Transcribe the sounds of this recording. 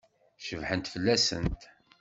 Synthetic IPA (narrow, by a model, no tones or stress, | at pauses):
ʃəvħənt̪fəlːæsənt̪